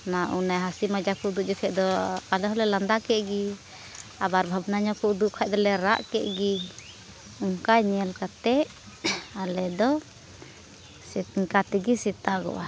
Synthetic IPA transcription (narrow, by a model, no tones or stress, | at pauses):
naʔunajɦasimad͡ʒakɔd̪uʔ̚d͡ʒɔkʰɛd̪ɔalɛɦɔlɛland̪akɛʔɡi | abaɾbʱabnaɲɔkɔud̪uʔkʰad̪ɔlɛɾa̰ʔkɛʔɡi | uŋkaɲɛlkat̪ɛ | alɛd̪ɔ | sŋkat̪ɛɡisit̪aɡɔ̰ʔa